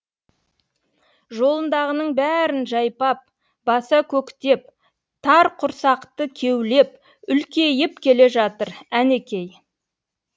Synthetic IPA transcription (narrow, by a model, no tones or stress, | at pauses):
ʒo̞lˠənd̪ɑʁənəɴbæɾɪnʒɑjpɑp̚ | bɑsɑkʲʰɵkt̪e̞p̚ | t̪ʰɑɾqʰʊɾsɑqt̪əkʲʰe̞wle̞p̚ | ʏlkʲe̞jɪp̚kʲʰe̞le̞ʒɑt̪əɾæne̞kʲe̞j